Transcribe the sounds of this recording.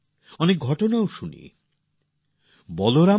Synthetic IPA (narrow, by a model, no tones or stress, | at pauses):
ɔnek̚ɡʱɔʈonaoʃunḭ | bɔloɾa